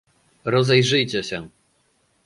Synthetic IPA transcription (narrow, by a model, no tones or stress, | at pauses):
ɾɔzɛjʐɘjt͡ɕɛɕɛ